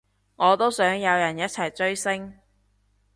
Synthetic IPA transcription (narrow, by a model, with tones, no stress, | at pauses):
ŋɔː˨˧t̪o˥wsœː˨˥ŋjɐ˨˧wjɐ˨˩njɐ˥t̚t͡sʰɐ˨˩jt͡ʃɵ˥ɥsɪ˥ŋ